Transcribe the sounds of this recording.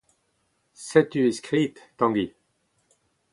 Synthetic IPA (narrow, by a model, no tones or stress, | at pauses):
sɛt̪yeskχit̪ːɑ̃ɡi